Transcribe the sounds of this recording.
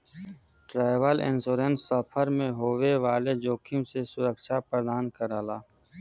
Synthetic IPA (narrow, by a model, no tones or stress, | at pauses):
ʈɾaːjʋəlɪ̰nsoːɾensəpʰəɾmẽɦoːweʋaːled͡ʒoːkʰimsesʊɾəkʃapɾəd̪aːnkəɾaːlaː